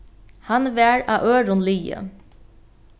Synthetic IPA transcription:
hanʋæːɹa̰ːʔøːɾʊnliːə̰

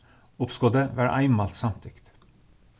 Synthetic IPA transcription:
ʊpskɔd̪əʋæːɾʔæ̰ɪmɑlt̪sɑmt̪ʰɪkt̪

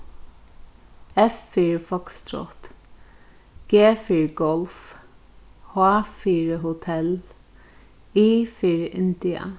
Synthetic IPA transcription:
ɛfːiɹfɔkst̪ɾɔ̰t̪ | ɡ̥eːfiɹɡɔlf | hafiːɹəɦʊt̪ʰɛl | iːfiɹɪ̰nd̪ɪə̰

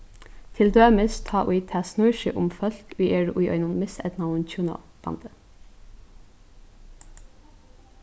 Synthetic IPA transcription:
t̪ʰɪld̪øːməst̪ʰɑːʔʊɪt̪ʰæːsnʉːɹʃəʔʊmfœlkʉːʔeːɹʔʉɪʔœ̰ʏnʊnmɪsɛ̰t̪nɑʊənt͡ʃʰjuːnɑ̰ | b̥ɑ̰nd̪ə

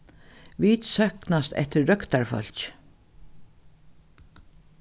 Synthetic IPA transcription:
ʋiːt̪sœhknast̪ɛ̰ht̪əɾːœkt̪aɹfœ̰l̥ç

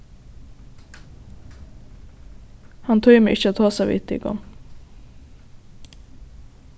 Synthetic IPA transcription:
hɑnt̪ʰœʏmḛʔɪçəoːt̪ʰɑːsæʋɪ̰t̪ḭːɡɔ̰ŋ

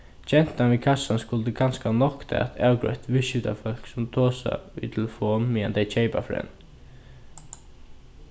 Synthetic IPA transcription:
t͡ʃɛn̥t̪anʋiːkʰasːanskʊlt̪əɡanskanɔkt̪ʰɛ̰a̰t̪ʰaːwɡɹœ̰ɥht̪ʋɪʃjʏt̪ʰa̰fœl̥ksʊmt̪ʰɔːsa̰ʋḭt̪ʰɛlfɔːnmiand̪ɛɪt͡ʃʰɛɪpafɾɛ̰n

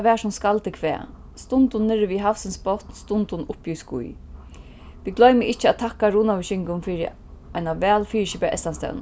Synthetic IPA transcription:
ʋɛːʂʊmskalt̪ɪkʰvɛ̰ː | st̪ʊnt̪ʊnːɪɹɪʋiɦafsɪnsbɔt̪nst̪ʊnt̪ʊnʊhpjuskṵj | ʋiɡlœɥmɪʔɪht͡ʃəæt̪ʰakaɾuːnawɪʃɪŋkʊnfiːɾɪ̰ | ajnaʋɛːlfiːɹʃɪpɛaʔɛ̰st̪anst̪ɛ̰wn

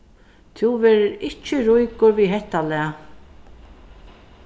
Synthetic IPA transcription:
t̪ʰuwvɛːɾɪɾɪt͡ʃːɪɾujkʊɾviɦɛht̪alɛa

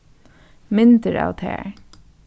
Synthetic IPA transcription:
mɪnt̪əɹa̰ːʋt̪ʰæ̰ːɹ

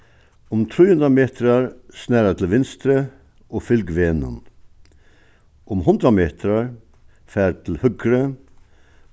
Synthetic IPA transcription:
ʊmt̪ʰɾʉːnd̪ɾɑmeːt̪ʰɾɑɹsnæːɾɑt̪ʰl̩ʋɪnst̪ɾə | ʔoːfʏlɡʋeːnʊ̰n | ʔʊmhʊnd̪ɾɑmeːt̪ʰɾɑɹ | fæːɾt̪ʰl̩hʉɡɾə

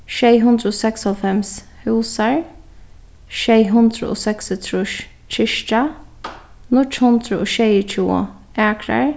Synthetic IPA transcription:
ʃɛjɦʊnd̪ɾəoːsɛkshɔlfɛms | hʉwsaɹ | ʃɛjɦʊnd̪ɾʊ̰o̰sɛksɪt̪ʰɾʊ | t͡ʃʰɪʃʈa | nʊt͡ʃhʊnd̪ɾəoːʃɛjət͡ʃʰuʊ̰ | aːkɾa̰ɹ

